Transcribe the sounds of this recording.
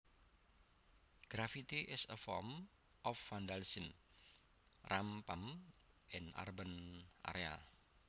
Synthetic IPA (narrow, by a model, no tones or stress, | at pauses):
ɡ̥ɾafit̪iʔɪsəfɔ̰m | ʔɔfːandalsin | rʔampəm | ʔɪna̰rbənʔa̰ɾea